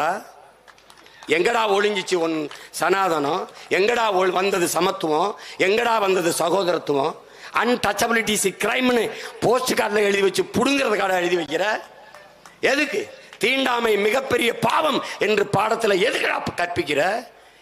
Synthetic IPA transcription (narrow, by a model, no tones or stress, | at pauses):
aː | ɛŋɡɐɽaːɔɻɪɲd͡ʒɪt͡ʃːɯɔnːsɐnaːðɐnõɛŋɡɐɽaːɔʋɐnd̪ɐðɯsɐmɐt̪ːɯʋõːɛŋɡɐɽaːʋɐnd̪ɐðɯsɐɣoːðɐɾɐt̪ːɯʋõ | ʔɐnʈɐt͡ʃːɐbɪlɪʈːisikɪɾɐɪmɪnɯpoːsʈɯkːaːʈːlɐɛɻɯðiʋɐt͡ʃːɯpʊɽʊŋɡɪɾɐðɯkːaːɽɐ̃ɛɻɯðiʋɐɪkːɪɾɐ | ɛðɯkːɯt̪iːɳɖaːmɐɪmɪɣɐpːɛɾɪjɐpaːʋɐmɛndrɯpaːɽɐt̪ːɪlɐɛðɯkːɐɽa̰ːkɐʈ̚pɪkːɪrɐ